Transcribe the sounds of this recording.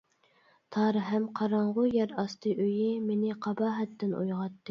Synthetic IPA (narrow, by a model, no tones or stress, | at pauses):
t̪ʰɑːɾɨɦɛmqʰɑɾɑɴʁʊjɛɾɑst̪ɨʔøjimenɪqʰɑbɑːɦɛt̪ʰːɪnṵjʁɑt̪ːɨ